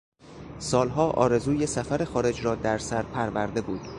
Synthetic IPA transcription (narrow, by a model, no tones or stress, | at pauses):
sɒːlɦɒːʔɒ̰ːɾe̞zuːje̞sæfæɾe̞xɒːɾe̞d͡ʒɾɒːd̪æɾsæɾpʰæɾvæɾd̪e̞buːd̪̥